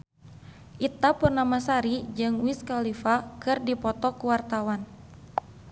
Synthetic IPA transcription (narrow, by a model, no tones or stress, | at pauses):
ʔit̪apurnamasaɾid͡ʒɨŋwiskalifakɨrdipɔt̪ɔkuwart̪awan